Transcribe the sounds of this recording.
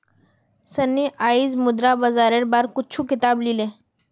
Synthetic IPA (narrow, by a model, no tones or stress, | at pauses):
sɐnːiʔaːizmʊd̪ɾabɐzaːɾeɾbaɾkʊtːt͡ʃʰukɪt̪aːblilẽː